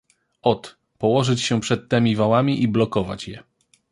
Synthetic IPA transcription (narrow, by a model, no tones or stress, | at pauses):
ɔt̪ | pɔwɔʐɘt͡ɕɕɛpʂɛt̪ːɛmʲivawamʲiʔiblɔkɔva̰t͡ɕjɛ̰